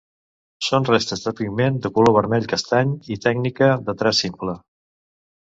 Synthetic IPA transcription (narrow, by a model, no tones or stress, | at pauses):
sonrest̪əzd̪əpiŋmend̪əkuloβ̞əɾmɛʎkəst̪aɲit̪ɛɡ̚nikəðət̪ɾɛsimplə